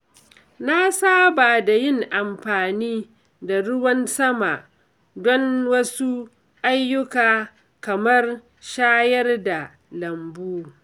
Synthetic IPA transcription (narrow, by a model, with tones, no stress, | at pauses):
na˦saː˦baː˨da˨jɪ˦˨ŋʔa˨mɸaː˨niː˦ | da˨ɽʊ˦wɐ˦nsɐ˦ma˨ʔ | dɔ˦nwɐ˦su˦ | ʔa˦jːʊ˦kaː˨ | kɐ˨mɐ˦r | ʃaː˦jɐ˦rda˨ | lɐ˨mbuː˦